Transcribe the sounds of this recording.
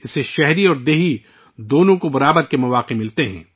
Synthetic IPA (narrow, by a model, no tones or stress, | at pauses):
ɪseʃɛɦɾiɔːɾd̪eːɦi | d̪oːnõkobɐɾaːbəɾkemɐʋaːqemɪlt̪eɦɛ̃ː